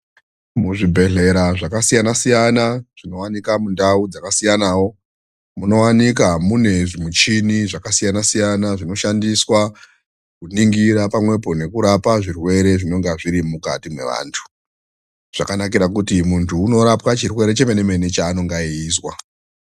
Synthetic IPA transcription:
muʐibʱe̞ɮe̞ɾaʐakasijanasijanaʐ̥ino̞wanikamundaud͡zakasijanaːwo̞ | muno̞wanikamune̞ʐimut͡ʃiniʐakasijanasijanaʐino̞ʃandiswa | kuniŋɡiɾapamwe̞po̞ne̞kuɾapaʐirwe̞ɾe̞ʐino̞ŋɡaʐiɾimuka̰timwe̞̰ʋa̰ːntʰu̥ | ʐ̥akanakiɾakutimuntʰuːno̞ɾapwat͡ʃirwe̞ɾe̞t͡ʃe̞mene̞me̞net͡ʃaːno̞ŋɡaiːzwa

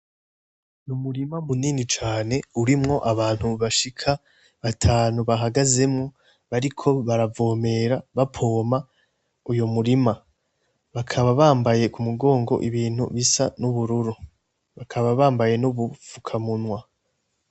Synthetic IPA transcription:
numuɾimamuniːnit͡ʃaːne̞uɾimŋo̞ʔaβaːn̥huβaʃikʰa | βatʰaːnuβaɦaɡaze̞mŋo | βaɾikʰo̞βaɾavo̞ːme̞ɾaβapʰo̞ːma | ujomuɾima | βakʰaβaβaːmbaje̞kumuɡo̞ːŋɡo̞̰ʔiβiːn̥hṵβisanuβuɾuɾu | βakʰaβaβaːmbaje̞nuβufukʰamunwa

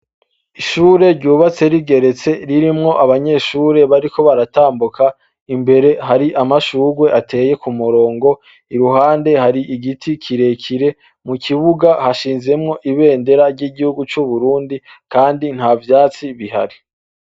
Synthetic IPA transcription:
iʃuːɾe̞ɾɟuːβat͡se̞ɾiɡe̞ɾe̞t͡se̞ɾiɾimŋo̞ʔaβaɲe̞ʃuːɾe̞βaɾiko̞βaɾataːmbukʰa | imbe̞ɾe̞ɦaɾiʔamaʃuːɡwe̞ʔatʰe̞je̞kumuɾo̞ːŋɡo̞ | iɾuɦaːnde̞haɾiʔiɡitʰikʰiɾe̞kʰiɾe̞ | mukʰiβuɡahaʃiːnze̞mŋo̞ʔiβe̞ːnde̞ɾaɾɟiːɡihuɡut͡ʃuβuɾuːndi | kaːndin̥havjaːt͡siβiɦa̰ɾi

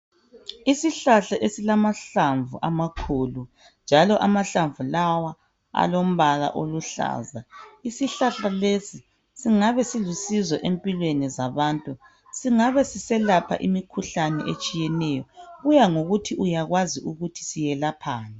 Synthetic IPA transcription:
isiɬaɬaʔesilamaɬaɱvṵʔamakʰuːlu | nd͡ʒʱalɔʔamaɬaɱvulawa | a̰lom̩βala̰ʔoluɬa̰ːzaisiɬaɬalesi | siŋaβɛsilusizwɔʔempʼilwenizaβaːntʼu | siŋaβɛsisɛlapʰa̰ʔimikʰuɬanɛ̰ʔet͡ʃʼijɛnɛjɔɣujaŋoɣutʰiujaɣwaziʔuɣutʰi̥sijɛlapʰaːna

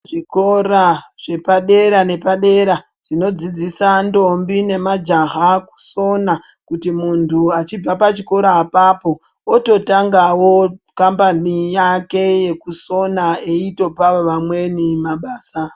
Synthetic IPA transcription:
ʐiko̞raʐ̥e̞paɗe̞ɾane̞paɗe̞ɾa | ʐ̥ino̞d͡zid͡zisando̞mbine̞mad͡ʒaɦaku̥so̞na | kutimuntʰuat͡ʃib͡vapat͡ʃiko̞ɾaːpaːpo̞ | oto̞taŋɡawokambanijake̞je̞kuso̞naeito̞paʋamwe̞nimaɓaːsa

